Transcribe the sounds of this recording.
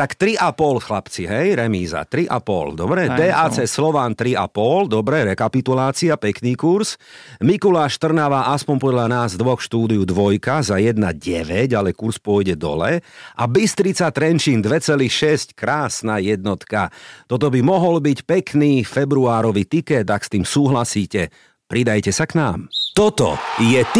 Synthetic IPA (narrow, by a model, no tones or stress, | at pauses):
t̪akt̪ɾiʔapɔlxlapt͡siɦɛjɾɛmiːza̰t̪ɾiʔa̰pɔ̰ld̪ɔbɾɛd̪ɛːʔaːt͡sɛːslɔʋaːnt̪ɾia̰pɔld̪ɔbɾɛɾɛkapit̪ulaːt͡siapɛkniːkuɾsmikulaʃt̪r̩naʋaːʔaspɔɲpɔd̪ʎanaːzd̪ʋɔxʃt̪uːd̪iud̪ʋɔjkazajɛd̪naɟɛʋɛɟalɛkuɾspʊɔjɟɛd̪ɔ̰lɛ̰ʔabist̪ɾit͡sat̪ɾɛnt͡ʃiːnd̪ʋɛt͡sɛlixʃɛsckɾaːsnajɛd̪nɔt̪kat̪ɔt̪̬ɔbimɔɦɔlbicpɛkniːfɛbɾuaːɾɔʋiːt̪ikɛd̪akst̪iːmsuːɦlasiːcɛ | pɾid̪ajcɛsaknaːmt̪ɔt̪ɔ̰jɛt̪